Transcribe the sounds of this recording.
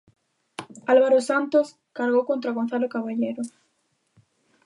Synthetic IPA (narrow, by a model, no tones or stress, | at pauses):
alβaɾosant̪os | kaɾɣowkont̪ɾaɣonθalokaβaʎejɾo